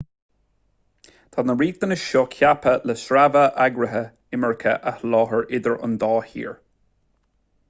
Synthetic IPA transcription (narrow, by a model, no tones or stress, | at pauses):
t̪ʰad̪nəɹiːt̪̚d̪ənəʃoːkʰjapələsɹavəʔaɡɹəɦə | ɪməɹkʰə̰ʔahlɔːɦəɹʔɪd̪əɹʊ̰nd̪ɑːhḭːɹ